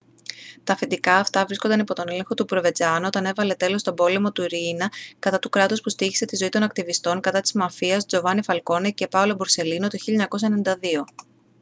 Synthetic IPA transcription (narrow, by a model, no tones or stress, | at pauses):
t̪ɐfed̪ikɐːft̪ɐvɾisko̞nd̪ɐnipo̞t̪o̞ne̞le̞ŋxo̞t̪upɾove̞d͡zɐnuo̞t̪ɐne̞vɐle̞t̪e̞lo̞st̪o̞bo̞le̞mo̞t̪uiɾinɐkɐt̪ɐt̪ukɾɐt̪ospust̪içi̥se̞t̪izoit̪o̞nɐk̚t̪ivist̪o̞ŋkɐt̪ɐt̪i̥zmɐfiɐsd͡zo̞vɐnifɐlko̞nece̞pɐolo̞boɾse̞linot̪oçiʎɐɲɐko̞s̬enenid̪ɐðio̞